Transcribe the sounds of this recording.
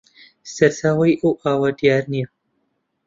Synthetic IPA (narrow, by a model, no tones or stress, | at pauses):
sɐɾt̪ʰaːwɐjʔɐwʔaːwad̪ijaːɾnijɐ